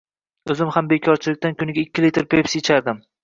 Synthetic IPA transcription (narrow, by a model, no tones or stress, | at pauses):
ɵzɪmhambekʲʰɒɾt͡ʃʰɪlɪk̚ʲt̪ankʲʰʊnɪɡʲaɪkʲːɪlit̪ɾpʰe̞psjet͡ʃʰaɾd̪ɪm